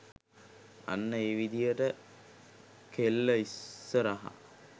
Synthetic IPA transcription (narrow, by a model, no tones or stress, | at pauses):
a̰nːəeːʋid̪ijəʈə | kʰelːəisːəɾaɦa̰